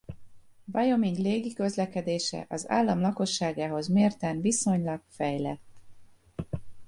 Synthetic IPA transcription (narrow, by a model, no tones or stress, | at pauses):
vɒjo̞miŋɡleːɡikø̞zlɛkɛd̪eːʃɛ̰ʔɒza̰ːlːɒmlɒko̞ʃːaːɡaːɦo̞zmeːrt̪ɛnviso̞ɲlɒɡfɛjlɛ̰t̪ː